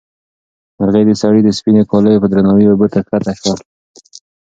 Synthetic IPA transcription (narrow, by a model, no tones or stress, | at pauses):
maɾɣed̪əsaɽid̪əspinekɑləjopəd̪ɾanɑwiobət̪akat̪aʃwal